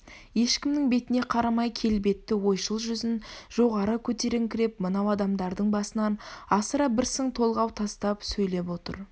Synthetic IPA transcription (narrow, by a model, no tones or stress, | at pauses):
je̞ʃkʲɪmnɪŋbe̞t̪ɪne̞qʰɑɾɑmɑjkʲʰe̞lbe̞t̪ːɪwo̞jʃəlˠʒʏzɪnʒ̥o̞ʁɑɾəkʲʰɵt̪e̞ɾɪŋkʲʰɪɾe̞p̚mənɑwɑd̪ɑmd̪ɑɾd̪əɴbɑsənɑnɑsəɾɑbɪɾsəŋt̪ʰo̞lˠʁɑwt̪ʰɑst̪ɑpsɵjle̞p̬wo̞t̪ə̰ɾ